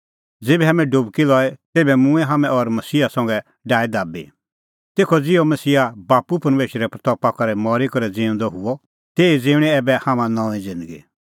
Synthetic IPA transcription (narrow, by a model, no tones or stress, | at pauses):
d͡zeːbɛɦaːmɛ̃ɖʊbkilɔɛt̪eːbɛmʊ̃ɛ̃ɦaːmɛ̃ʔɔɾmɐsiːasɐ̃ŋɡɛ | ɖaːɛd̪aːbḭ | t̪eːkʰɔd͡zɪomɐsiːabaːpupɐɾmeːʃɾɛpɾɐt̪ɔːpakɐɾɛmɔːɾikɔɾɛd͡zĩːʊ̃nd̪ɔɦʊɔ | t̪eːid͡zĩːʊɽ̃ɛɛbɛhaːmãnɔ̃ːĩd͡zɪ̃nd̪əɡḭ